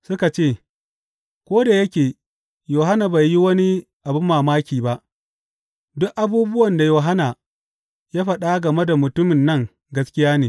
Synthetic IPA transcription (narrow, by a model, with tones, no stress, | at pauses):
sʊ˦ka˨t͡ʃeː˦˨ | kʷoː˦da˨jɐ˦kʲeː˨ | joː˨ɦa˦na˨ba˨jːi˦wɐ˦ni˦ | ʔa˨bʊ˦mːaː˨maː˦kʲiː˨ba˦ʔ | dʊ˦ʔʔa˨buː˦bʊ˦wɐ˨nda˨joː˨ɦa˦na˨ | jaː˦ɸɐ˨ɗa˦ɡɐ˨me˦da˨mʊ˨tʊ˦mɪ˨nːɐ˦ŋ | ɡɐ˦skʲɪ˦jaː˦neː˨